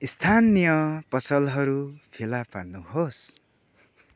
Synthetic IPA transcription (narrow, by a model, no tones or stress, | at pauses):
ist̪ʰanijʌpʌsʌlɦʌɾupʰelapa̰rnuɦos